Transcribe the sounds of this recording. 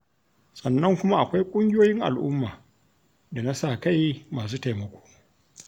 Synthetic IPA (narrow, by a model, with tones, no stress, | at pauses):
sʼɐ˨nːɐ˦ŋkʷʊ˦ma˦ʔa˨kʷa˦jkʷʼʊ˦ŋɡʲɪ˦joː˦jɪ˦ŋʔa̰˨lʔʊ˦mːaː˨ | da˨na˦sa˦˨ka˦˨jmaː˨s̬uː˦ta˨jmɐ˨kʷo̥ː˦